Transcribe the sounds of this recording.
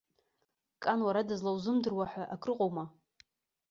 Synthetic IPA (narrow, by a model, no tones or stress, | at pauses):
kʼanwaɾadɨzlawzɨmdɨrwaħʷᶣaʔakʰʼrɨqʼowma